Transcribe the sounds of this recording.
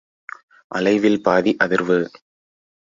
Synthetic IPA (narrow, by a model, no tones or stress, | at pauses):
ʔɐ̰lɐɪʋɪlpaːðiʔɐðɪɾʋɯ